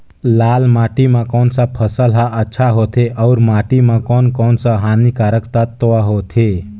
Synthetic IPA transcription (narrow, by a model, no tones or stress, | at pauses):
laːlmaːʈimãkɔːnsapʰəsəlɦaʔətːʃʰaɦot̪ʰeʔɔʊɾmaːʈimãkɔːnkɔːnsaɦaːnikaːɾəkt̪ət̪ːoʋaɦot̪ʰe